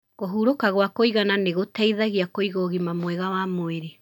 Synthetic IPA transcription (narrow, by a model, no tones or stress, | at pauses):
ɣoɦuːɾokaɣwakoiɣananeɣotaiðaɣiakoiɣoɣimamwɛɣawamoeɾe